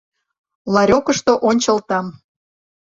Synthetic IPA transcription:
lɑɾʲokəʃt̪oʔonʲt͡ɕəlt̪ɑm

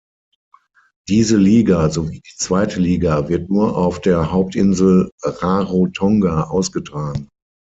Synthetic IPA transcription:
d̥iːzəliːɡazoviːdiːt͡sv̥aɪtʰəliːɡavɪɐtnuːɐʔaʊfd̥eːɐhaʊp̚tʔɪnzl̩ʁaʁotʰɔŋɡaʔaʊsɡ̥ətʁ̥aːɡŋ̩

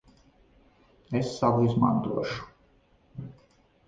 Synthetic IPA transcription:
ɛsːavuizma̰nt̪uɔʃu̥

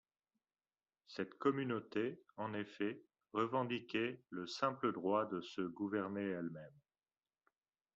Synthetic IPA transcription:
sɛt̪kɔmynot̪eɑ̃nefɛ | ʁəvɑ̃d̪ikʲɛləsɛ̃pləd̪ʁwad̪əsəɡuvɛʁneɛlmɛm

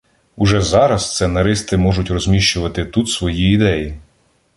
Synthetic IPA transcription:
ʊʒɛzɑɾɐsst̪sɛnɐɾɪst̪ɪmɔʒʊtʲrɔzʲmʲiʃt͡ʃʊʋɐt̪ɪt̪ut̪sʋɔjiːd̪ɛji

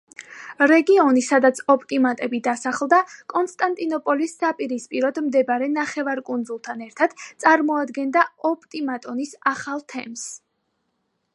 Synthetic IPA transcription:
ɾɛɡiɔnisad̪at̪sʰɔpʼt̪ʼimat̪ʼɛbid̪asaχlˠd̪akʼɔnst̪ʼant̪ʼinɔpʼɔlisːapʼiɾispʼiɾɔd̪md̪ɛbaɾɛnaχɛvaɾkʼund̪zulˠt̪ʰanɛɾt̪ʰad̪̥t̪sʼaɾmɔad̪ɡɛnd̪aɔpʼt̪ʼimat̪ʼɔnisaχalˠt̪ʰɛ̰ms

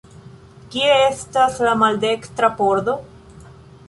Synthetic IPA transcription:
kieestaslamaldekt̪ɾapoɾd̪o̞

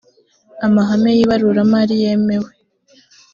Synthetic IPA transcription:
amaɦamejiβaɾuɾamaɾije̞mewe

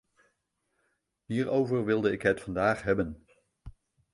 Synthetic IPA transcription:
ɦiːɹowvəɹʋɪlˠdəɪkɦɛtfɑndaːχɦɛbən

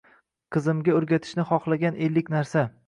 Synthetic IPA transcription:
qʰɨzɪmɡʲaɵɾɡʲat̪ʰɪ̥ʃnɪχɒχlˠaɡʲanʔelːɪkʲnaɾsa

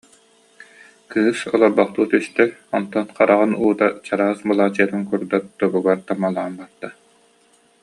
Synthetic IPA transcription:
kɯːsɔlˠɔɾbaχt̪uːt̪yst̪œɔnt̪ɔnqaɾaʁɯnuːd̪at͡ɕaɾaːsbɯlˠaːt͡ɕɯɐt̪ɯnkuɾd̪at̪d̪ɔɡuɡaɾt̪amalˠaːnbat̪ːa

